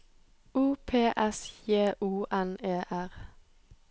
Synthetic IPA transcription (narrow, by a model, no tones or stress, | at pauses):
uːpʰeːʔɛsjeːʔuːʔɛneːʔæʁ